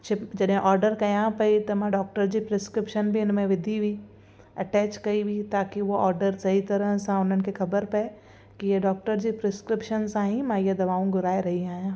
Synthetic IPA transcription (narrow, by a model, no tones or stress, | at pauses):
t͡ʃʰɪpd͡ʒɐɗɦẽʔɔːɾɖəɾkɐjãpɐit̪ɐmãɖɔːk̚ʈəɾd͡ʑipɾeskɾɪpʃənbʱiʊnmẽʋɪd̪ʱibʱi | ɐʈɛːt͡ʃkɐibʱit̪aːkiʋoʔɔːɾɖəɾsɐɦit̪ɐɾə̃ɦsãʊn̤ɦənɪ̆kexɐbəɾpɐ | kijeɖɔːk̚ʈəɾd͡ʑipɾeskɾɪpʃənsãɦĩmãijed̪ɐbaːũɡʱʊɾaːeɾɐɦiaːijãː